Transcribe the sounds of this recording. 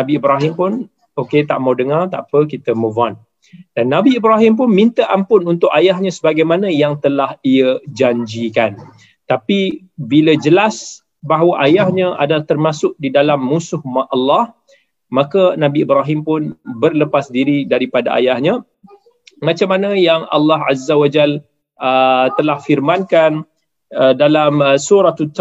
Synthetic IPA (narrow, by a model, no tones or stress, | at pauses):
nabiːbɾaɦɪmpʊn | oket̪aʔmawdəŋart̪a̰ʔpəkit̪əmə̃van | danːabiːbɾaɦimp̬ʊnmint̪əʔampʊnunt̪ʊʔajahɲə̃səbaɡajmanə̃jaŋt̪əlahiəd͡ʒaɲd͡ʒikan | t̪api | biləd͡ʒəlas | baɦwaʔajahɲə̃ʔa̰dalaht̪ərmasʊk̚didalamːũsʊhmaʔʔalːah | makanãbiːbɾaɦimpʊnbərləpasdiɾidaɾipada̰ʔa̰jahɲã | mãt͡ʃamːanə̃jaŋa̰lːaɦa̰zawad͡ʒal | ət̪əlahfirmãnkan | ədalamsuɾat̪ut̪